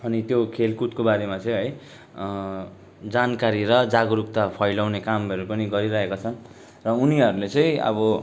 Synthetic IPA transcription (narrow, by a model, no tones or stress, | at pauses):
ʌnit̪jokʰelkut̪kobaɾemat͡sʌ̃j̃ɦʌj | d͡zankaɾiɾʌd͡zaɡɾuk̚t̪apʰʌjlawnekamʌɾupʌniɡʌɾiɾʌɦekat͡sʰʌn | rʌuniɦʌɾulet͡sʌĩʌ̰bʌ